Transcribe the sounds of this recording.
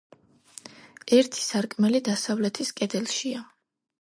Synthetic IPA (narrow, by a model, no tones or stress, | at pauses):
ɛɾt̪ʰi̥saɾkʼmɛlid̪asavlɛt̪ʰiskʼɛd̪ɛlˠʃia